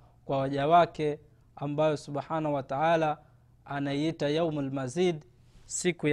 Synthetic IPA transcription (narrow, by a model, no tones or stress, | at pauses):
kwawaʄawakɛ | ambajɔsuɓħanahuwataʕalaː | naiitajawmalmaziːd | sikuj